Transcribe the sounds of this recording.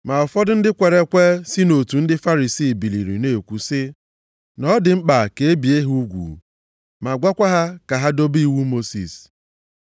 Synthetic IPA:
ma˨ɔ˨fɔ˦dʊ˦n̩˦dɪ˦kʷe˨ɾe˨kʷe˦si˦no˨tu˨n̩˦dɪ˦fa˦ɾi˨siː˦˨bi˨lḭ˨ɾḭ˨ne˨kʷu˨sɪ˦ | nɔ˦dɪ˨ŋ͡m̩˦k͡pa˨ke˨e˦bi˨e˦ɦu˦ɡʷṵ˨ | ma˨ɡʷa˦kʷa˦ɦa˦ka˨ɦa˦do˦bi˦i˦wu˦mo˦sḭ˨s

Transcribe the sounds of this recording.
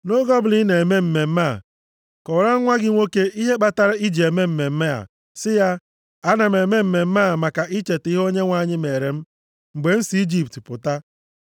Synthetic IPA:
no˦ɡɔ˦bʊ˨li˦ne˨me˦m̩˦me˨m̩˦ma˦˨ | kɔ˨ɾa˦ŋ̩˦ŋʷa˦ɡɪ˦ŋʷo˦ke˦ʔi˦ɦe˦k͡pa˦ta˨ɾɪ˦i˦d͡ʒe˨me˦m̩˦me˨m̩˦me˦a̰˨ | sɪ˦ja˦ | a˦na˨m̩˨e˨me˦m̩˦me˨m̩˦maː˦˨ma˨ka˨ʔi˦t͡ʃe˨ti˦ɦo˦ɲe˦ŋʷa˦˨ɲɪ˦me˨ɾe˨m̩˦ | ŋ͡m̩˨ɡ͡be˨n̩˦si˨˦i˦d͡ʒi˦p̚tpʊ˨ta˦

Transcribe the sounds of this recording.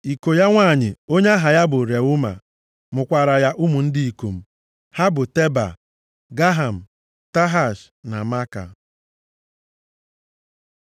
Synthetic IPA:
i˨ko˨ja˦ŋʷa˦˨ɲɪ˨o˦ɲe˦a˦ɦa˨ja˦bʊ˨ɾe˨ʊ˦ma̰˨ | mʊ˨kʷa˨ɾa˨ja˦ʔu˦mu˨n̩˦dɪ˦i˨ko˨m̩˨ | ha˦bʊ˨te˦ba̰˨ | ɡa˦ɦa˨m̩˨ | ta˦ɦa˨ʃ | na˨ma˦ka̰˨

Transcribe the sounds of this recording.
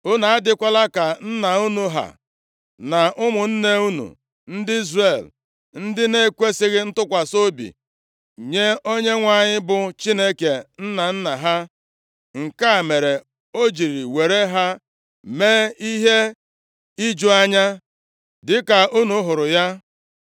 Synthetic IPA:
ʊ˦na˨a˦dɪ˦kʷa˦la˦ka˨n̩˦na˨u˦nu˦ɦa̰˨ | na˨ʔʊ˦mʊ˨n̩˦ne˦u˦nṵ˨ | n̩˦dɪ˦i˦zre˨l | n̩˦dɪ˦ne˦kʷe˦sɪ˦ɣɪ˦n̩˦tʊ˦kʷa˨so˦bḭ˨ | ɲe˦o˦ɲe˦ŋʷa˨ɲɪ˦bʊ˨t͡ʃi˦ne˦ke˨n̩˦na˨n̩˦na˨ɦa˦ | ŋ̩˨ka˦˨me˨ɾe˨ | o˦d͡ʒi˨ɾi˨we˨ɾe˦ɦa˦ | me˦i˦ɦe˦ | i˦d͡ʒu˦a˦ɲa˦ | dɪ˦ka˨u˦nu˦ɦʊ˨ɾʊ˨ja˦

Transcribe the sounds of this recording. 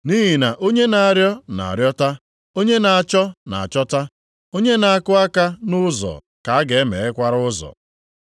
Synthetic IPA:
ni˦ɦi˨na˨ʔo˦ɲe˦na˨a˨ɾjɔ˦na̰˨a̰˨ɾjɔ˦ta˦ | o˦ɲe˦na˨a˨t͡ʃɔ˦na̰˨a̰˨t͡ʃɔ˦ta˦ | o˦ɲe˦na˨a˦˨kʊ˦a˦ka˦nʊ˦zɔ̰˨ | ka˨a˦ɡe˨e˦mḛ˨e˦kʷa˦ɾʊ˦zɔ̰˨

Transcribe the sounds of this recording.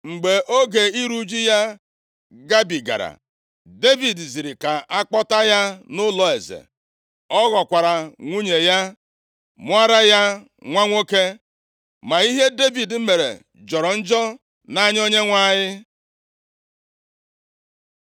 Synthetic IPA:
ŋ͡m̩˨ɡ͡be˨ʔo˦ɡe˨i˦ɾu˦d͡ʒi˦ja˦ | ɡa˦bi˨ɡa̰˨ɾa̰˨ | de˦vi˨dzi˨ɾi˨ka˨a˦k͡pɔ˦ta˦ja˦nʊ˦lɔ˨e˨zḛ˨ | ɔ˦ɣɔ˨kʷa˨ɾa˨ŋʷu˦ɲe˨ja˦ | mʊ˦a˦ɾa˦ja˦ | ŋʷa˦ŋʷo˦ke˦ | ma˨i˦ɦe˦de˦vi˨dm̩˦me˨ɾḛ˨ | d͡ʒɔ˨ɾɔ˨n̩˦d͡ʒɔ˦ | na˦ɲ˦o˦ɲe˦ŋʷa˦ɲɪ˦

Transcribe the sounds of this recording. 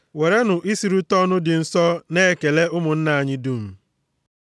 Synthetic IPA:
we˨ɾe˦nʊ˨ʔi˦si˨ɾu˦tɔ˦nʊ˦dɪ˨n̩˦sɔ˦ne˦e˨ke˨le˦ʊ˦mʊ˨n̩˦na˨a˨ɲɪ˦du˦˨m̩˨

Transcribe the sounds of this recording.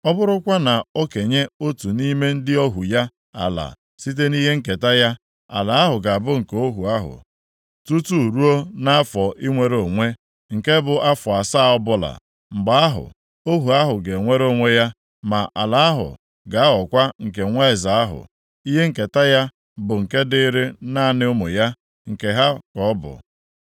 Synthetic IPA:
ɔ˦bʊ˦ɾʊ˦kʷa˦na˨o˦ke˨ɲe˦o˦tu˨ni˦me˦n̩˦dɪ˦ɔ˦ɦu˨ja˦ | a̰˨la̰˨ | si˦t̬e˦ni˦ɦe˦ŋ̩˦ke˨ta˦ja˦ | a̰˨la˨a˦ɦʊ˨ɡa˨bʊ˦ŋ̩˨ko˦ɦu˨a˦ɦʊ̰˨ | tu˦tu˦˨ɾu˦o˦na˦a˦fɔ˨ʔi˦ŋʷe˦ɾo˨ŋʷe˦ | ŋ̩˨ke˦bʊ˨ʔa˦fɔ˨a˨sa˦˨ɔ˦bʊ˦la̰˨ | m̩˨ɡ͡ba˨a˦ɦʊ̰˨ | o˦ɦu˨a˦ɦʊ˨ɡe˨ŋʷe˦ɾo˦˨ŋʷe˦ja˦ | ma˨ʔa˨la˨a˦ɦʊ̰˨ | ɡa˨a˦ɔ˨kʷa˦ŋ̩˨k̬e˨ŋʷe˦ɪ˨za˨a˦ɦʊ̰˨ | i˦ɦe˦ŋ̩˨ke˨ta˦ja˦ | bʊ˨ŋ̩˨ke˦dɪ˦ɾe˦na˦˨nɪ˦ʊ˦mʊ˨ja˦ | ŋ̩˨ke˨ɦa˦kɔ˨ɔ˦bʊ̰˨

